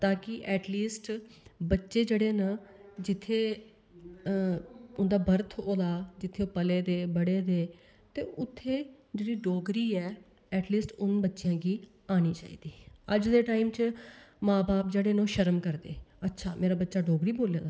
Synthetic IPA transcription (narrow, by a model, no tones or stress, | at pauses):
t̪ãːkɪʔɛːʈliːsʈbətːʃeːd͡ʒeːɽeːnəd͡ʒɪt̪ʰːeː | ʊnd̪aːbəɾt̪ʰoːd̪aːd͡ʒɪt̪ʰːeːoːpəleːd̪eːbəɽeːd̪eː | t̪eːʔʊt̪ʰːeː | d͡ʒeːɽiːɖoːɡɾiːɛː | ɛːʈliːsʈʊnbətːʃɪjãːɡiː | aːñiːt͡ʃa̰ːḭːd̪iːəd͡ʒd̪eːʈaːiːmt͡ʃmãːbaːpd͡ʒeːɽeːnoːʃəɾəmkəɾd̪ḛːətːʃʰaːmeːɾaːbətːʃaːɖoːɡɾiːboːlja̰ːd̪aː